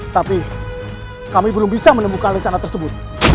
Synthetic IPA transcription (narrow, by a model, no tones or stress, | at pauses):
t̪api | kamibəlʊmbisamənəmukanrəɲt͡ʃanat̪ərsəbʊt̪̚